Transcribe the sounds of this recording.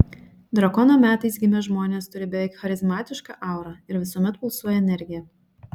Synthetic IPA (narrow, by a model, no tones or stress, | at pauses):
d̪ɾɐkɔnoːmʲæːt̪ɐɪsɡʲɪmʲɛʒmoːnʲeːst̪ʊɾʲɪbʲɛʋʲɛɪkxɐɾʲɪzmɑːt̪ʲɪʃkɑ̰ʔɑˑʊɾɑɪɾʋʲɪsuɔmʲɛt̪pʊlˠsuɔjɛɛnʲɛɾʲɡʲɪjɛ